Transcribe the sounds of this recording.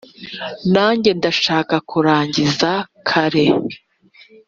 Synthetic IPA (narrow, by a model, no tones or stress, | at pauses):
naːɲɟe̞ndaʃaːkakʰuɾaːɲɟizakʰaɾe